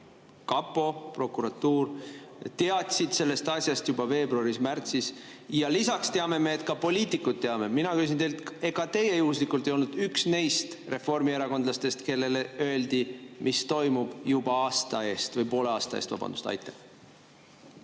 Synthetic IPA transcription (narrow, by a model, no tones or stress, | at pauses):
kɑpːˑo̞pro̞kːˑuɾɑt̪ːuːrt̪e̞ɑt̪ʲsid̪̥se̞lːe̞st̪ɑsʲjɑst̪jubɑve̞ːbɾuɑɾismært̪sisjɑlisɑkst̪e̞ɑme̞meːt̪kɑpo̞lʲiːt̪ːˑikːˑud̪̥̚t̪ːe̞ɑme̞minɑkys̬int̪elt̪e̞ɡ̥ɑt̪e̞je̞juhːs̬likˑult̪ejo̞lnud̪̥yksne̞jst̪re̞fo̞rmie̞ɾɑko̞nd̪lɑst̪e̞st̪ke̞lːe̞leø̞eld̪̥imʔist̪o̞jmub̥jub̥ɑɑːst̪ɑe̞ːst̪vɤjpo̞ːle̞ɑːst̪ɑḛst̪vɑ̰b̥ɑ̰nd̪ust̪ɑ̰jt̪ːˑɑh